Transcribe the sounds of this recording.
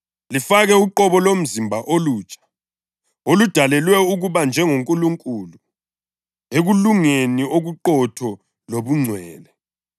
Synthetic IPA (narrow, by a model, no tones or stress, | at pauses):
lifaɣɛuǃɔβɔlom̩zimbʱaʔoluːt͡ʃʼḁ | olud̥ʱalɛlwɛuɣuβand͡ʒʱɛŋoŋkʼuluŋkʼulu | eɣuluŋenioɣuǃɔtʰɔ | loβuŋ͡ǀʱwɛːlɛ